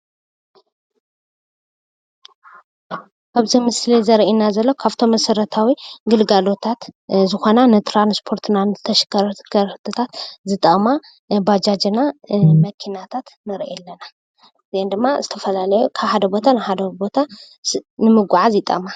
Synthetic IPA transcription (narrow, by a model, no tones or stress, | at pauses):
kʰaβzimɨslizɐɾʔinazɐlːo̞kʰaβt̪ʰo̞mːɐsɐɾɐt̪ʰawiɡɨlɡalo̞t̪ʰat̪zɨxo̞nanɨt̪ʰɾanspʰo̞ɾt̪ʰɨnanɨzɨt̪ʰɐʃɐ̥kʰːɐɾɐ̥kʰːɐɾt̪ʰɨt̪ʰat̪zɨt̪ʼɐma | bad͡ʒad͡ʒinamɐkʰinat̪ʰat̪nɨɾʔeɛlːɐna | ɨziend̪ɨmːazɨt̪ʰɐfɐlalɐjukʰaβħad̪ɐbo̞t̪ʰanɨħad̪ɐbo̞t̪ʰa | nɨmɨɡʷʕazjit̪ʼɐ̰ma